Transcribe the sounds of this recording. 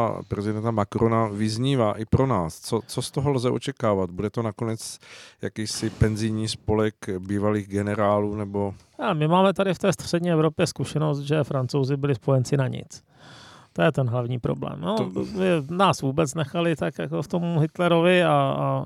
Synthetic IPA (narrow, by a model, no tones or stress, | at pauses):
pɾɛzɪdɛnt̪amakɾonavɪzɲiːvaːʔɪpɾo̞naːst͡sot͡sost̪oɦolzɛʔo̞̰t͡ʃɛkaːvat̪̚budɛt̪onako̞nɛt͡sjakiːsɪpɛnzɪjɲiːspo̞lɛkbiːvaliːɣɡɛnɛɾaːluːnɛbo̞ | amɪmaːmɛt̪adɪft̪ɛːst̪r̝̥ɛdɲiːɛvɾo̞pjɛskuʃɛno̞st̪̚ʒɛfɾant͡sowzɪbɪlɪspo̞jɛnt͡sɪnaɲɪ̰t͡s | t̪ojɛt̪ɛnɦlavɲiːpɾo̞̰blɛ̰ːmnomɪnaːsvuːbɛt͡snɛxalɪt̪akjakoft̪omɦɪt̪lɛɾovɪaa